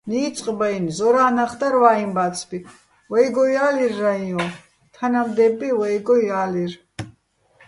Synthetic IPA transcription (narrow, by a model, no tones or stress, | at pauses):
niːt͡sʼqʼbajnzɔɾaːnaχd̪aɾvaimbat̪t͡sʰbi | vɛjɡɔjalirːaiɔ̃ | t̪ʰanamd̪ɛbːiwɛjɡɔjalir